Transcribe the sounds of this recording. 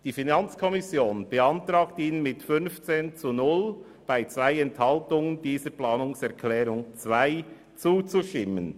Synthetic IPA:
d̥iːfinant͡skʰɔmɪsjoːnb̥əantɾaːktiːnənmɪtfʏnft͡seːnt͡sunʊl | b̥aɪt͡svaɪɛnthaltʊŋəndiːzəplaːnʊŋsɛɐkʰlɛːɾʊŋt͡svaɪ | t͡suːt͡suʃtɪmən

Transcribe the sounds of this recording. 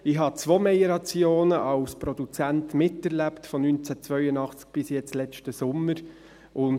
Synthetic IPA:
ɪɦɑt͡svoːmɛjəɾɑt͡sjoːnəʔɑwspɾɔdut͡sæntmɪtɛɾlæptfɔnynt͡sæt͡svœʏənɑχt͡sk̚b̥ɪsjɛt͡slɛt͡ʃtəsʊmːəɾ | ʔʊn

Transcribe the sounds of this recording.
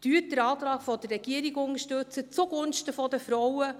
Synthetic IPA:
d̥yːət̚d̥əɾɑːtɾɑːɡ̥fɔd̥ərːɛɡ̥iːəɾiɡʊŋəʃtɵt͡sət͡suɡʊnʃtəfɔdəfɾɔwə

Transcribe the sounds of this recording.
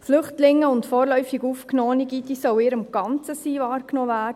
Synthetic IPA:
flʏχtlɪŋəʊntfɔːɾlœʏfiɡuːfknoːniɡid̪isœwɪːɾəmɡ̥ɑnt͡səsiːvɑːrknoːvæːd

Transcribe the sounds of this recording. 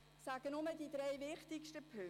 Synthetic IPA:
sæɡ̥ənʊmədidɾɛjvɪχtɪkʃtəpʰø

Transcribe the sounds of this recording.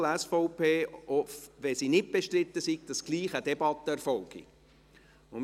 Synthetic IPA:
lɛsfɔʊpʰeːɔfʋɛsinɪt̚b̥eʃtrɪt̪ːəsiɡ̚d̪̥ɑsɡ̥liːχəd̪ɛbɑt̪ːəɛɾfɔlɡ̥ḭ | ʊ

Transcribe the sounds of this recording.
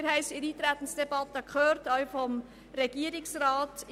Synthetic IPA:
ɾhɛɪsiɾiːt̪ɾæt̪n̩sd̥ɛbɑt̪əkχøːɾtœʏfɔm | ɾɛɡ̥iəɾɪksɾɑːt

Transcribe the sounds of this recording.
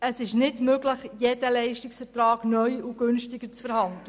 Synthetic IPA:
əsɪʃnɪdmøɡlɪχjedəlɛɪʃtɪksfətɾɑːɡ̥nœʏuɡ̥ʏnʃtɪɡət͡sfəɾhɑndlə

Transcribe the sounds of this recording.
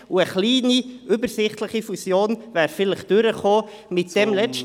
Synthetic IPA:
uəχliːniʔʏbəsɪχtləχifusjoːnvæːɾfɪləχd̥øɾəχoː | mɪtd̥ɛmlɛt͡s

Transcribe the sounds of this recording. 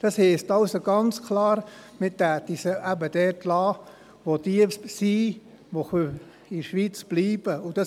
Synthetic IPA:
d̥ɑshɛːstɑʊsoɡ̥ɑnt͡skʰlɑːɾmɪtæːtisəʔæbəd̥ɛtlɑː | ʋodiəsi | ʋoxø | iʃʋit͡sb̥liːb̥əud̥ɑ

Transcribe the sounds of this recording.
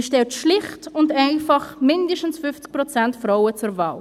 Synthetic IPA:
ʃtɛltʃlɪχtʊndaɪfɑχmɪndəʃtən̩sfʏft͡sk̚prɔt͡sɛntfɾawət͡sʊɾva̰ːl

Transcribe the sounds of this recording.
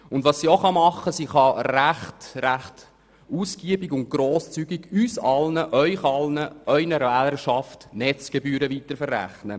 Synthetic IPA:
ʊndʋɑsːioχɑmɑχːəsiχɑɾæχtɾæχt | usɡ̥iəbiɡʊnt̚ɡ̥ɾoːst͡syɡiɡysɑlnəʔœʏχɑlnəʔœʏnəɾvæːləɾʃɑftnɛt͡sɡ̥ebyːɾəʋitəɾfərːæ̰χnə

